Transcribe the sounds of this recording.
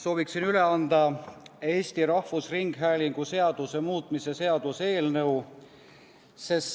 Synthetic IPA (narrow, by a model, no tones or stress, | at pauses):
so̞ːviksinyle̞ɑnd̪̥ɑe̞ːsʲt̪iɾɑhvusriŋɡ̥ɦæːliŋɡ̥use̞ɑd̪̥use̞muːt̪ˑmise̞se̞ɑd̪̥use̞ːlnɤw | se̞s